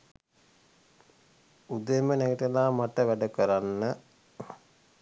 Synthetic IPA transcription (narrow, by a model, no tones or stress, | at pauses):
ud̪emənæɡiʈelaːmaʈəʋæɖəkəɾanːə